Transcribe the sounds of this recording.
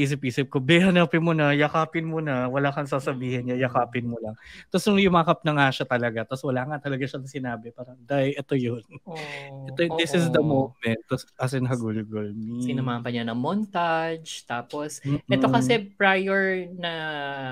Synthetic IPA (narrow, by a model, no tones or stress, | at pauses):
ʔiːs̬ɪp̚ʔiːsɪp̚kobɛhɐnaːpɪnmonɐjɐkaːpɪnmonɐwɐlaːkɐŋs̬aːsɐbiːhɪnɲɐjɐkaːpɪnmolɐŋt̪ɐsnʊŋjʊmakɐp̚nɐŋaʃat̪ɐlɐɡat̪ɐswɐlaːŋat̪ɐlɐɡaʃɐnɐŋsɪnaːbɛpaːɾɐŋd̪ajʔɛt̪ojonʔɛt̪od̪ɪsɪsd̪ɐmomɛnt̪̚t̪ːɐsɐsɪnɦɐɡulʊɡolmisɪnɐmaʔmpɐɲanɐmont̪ad͡ʒt̪aːposm̩ːʔɛt̪okɐsɛpɹajɛɹnɐ